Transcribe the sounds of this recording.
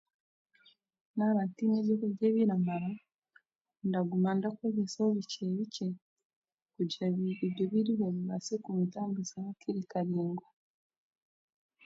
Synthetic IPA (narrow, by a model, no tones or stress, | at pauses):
naɾantineβjokuɟeβiɾamaɾa | ndaɡumandakweɡesaoβiceβice | kuaiβjoβiɾiβeβasikumitaːmbuzaakiɾikaɾiːŋɡwa